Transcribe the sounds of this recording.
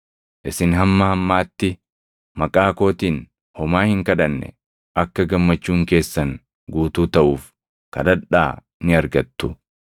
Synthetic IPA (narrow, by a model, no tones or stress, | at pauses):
ʔɪsɪnɦɐmːɐhɐmːaːt̪ːɪ | mɐkʼaːko̞ːt̪iːn | hɔmaːhɪŋkɐᶑɐnːɛ̰ | ʔɐkːɐɡɐmːɐt͡ʃːuːŋke̞ːsːɐŋ | ɡuːt̪uːt̪ɐʔuːf | kɐd̪ɐᶑa̰ː | nɪɐɾɡɐt̪ːʊ